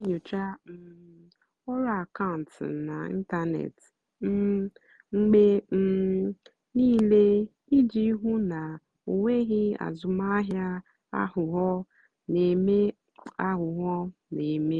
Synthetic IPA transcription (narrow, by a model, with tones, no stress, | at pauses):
ɲo˨t͡ʃa˦m̩˨ | ɔ˦ɾa˦a˨ka˦ʊ˨n̩˨tna˨ḭ˦n̩˦ta˦nḛ˨t | m̩˦ | ŋ͡m̩˦ɡ͡be˦m̩˦ | niː˦le˦ | i˦d͡ʒi˦ɦu˦na˨ | o˨ŋʷe˦ɣɪ˦a̰˨zʊ˨ma˦a˦ɦja˦ | a̰˦ɦʊ˨ɦɔ˦ | ne˨me˦ | a˦ɦʊ˨ɦɔ˦ne˨me˦